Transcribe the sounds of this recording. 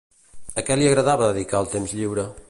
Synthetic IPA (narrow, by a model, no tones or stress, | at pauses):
əkɛliəɣɾəðaβəðəðikaəlˠt̪emzʎiwɾə